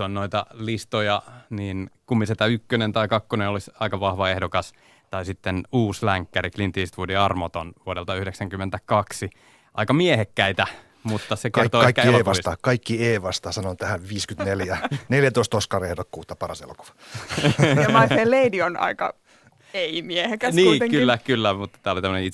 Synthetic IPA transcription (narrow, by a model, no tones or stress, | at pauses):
onnoit̪ɑlist̪ojɑniːnkumːiset̪æykːønent̪ɑikɑkːonenolisɑikɑʋɑhʋɑehdokɑs | t̪ɑisit̪ːenuːslæŋkːæɾiklint̪iːst̪ʋudiɑrmot̪onʋuodelt̪ɑyhɾeksæŋkymːent̪ækɑksi | ʔɑ̰ikɑmiehekːæit̪æ | mut̪ːɑsekerrt̪oɑikːæeːʋɑsist̪ɑkɑikːieːʋɑst̪ɑsɑnont̪æhæʋʋiːskyt̪neljæneljæt̪oist̪ost̪̚kɑrehdokːuːt̪ːɑpɑɾɑ̰sḛlo̰ku̥ʋɑ̥ | mɑifelːeidionɑ̰ikɑ̰ | eimiehekæsniuːit̪eŋkylːækylːæmut̪ːɑ̥t̪æːolit̪æmːənei